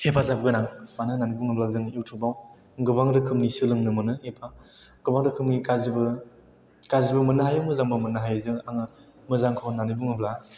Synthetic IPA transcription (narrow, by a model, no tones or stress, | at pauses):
hepʰazabɡɯnaŋmanɯnanibuŋɯblazɯŋiwtʰubaw | ɡɯbaŋdɯkʰɯmnisɯlɯŋnɯmɯnɯepʰa | ɡ̥ɯbaŋdɯkʰɯmɡikazibɯ | kazibɐmɯnɯɦajɯmɯzaŋbɯmɯnːɯɦajzɯŋaŋɯ | mɯzaŋkʰawnːanibuŋɯbla